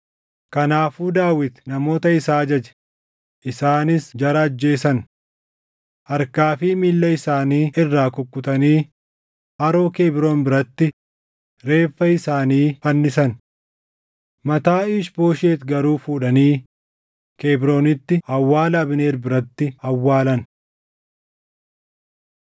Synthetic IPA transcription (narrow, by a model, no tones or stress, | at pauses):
kɐnaːfuːd̪aːwɪt̪nɐmo̞ːt̪ɐɪsaːd͡ʒɐd͡ʒɛ̥ | ʔɪsaːnɪsd͡ʒɐɾɐːd͡ʒːe̞ːsɐn | ʔɐɾkaːfiːmilːɐɪsaːniːɪrːaːkʊkːʊt̪ɐniː | ʔɐɾo̞ːkeːbɾoːnbɪɾɐt̪ːɪ | ɾe̞ːfːɐɪsaːniːfɐnːɪsɐn | mɐt̪aːɪːʃbo̞ːʃeːt̪ɡɐɾuːfuːᶑɐniː | keːbɪɾo̞ːnɪt̪ːɪɐwːaːlɐːbɪne̞ːɾbɪɾɐt̪ːɪɐwːaːlɐn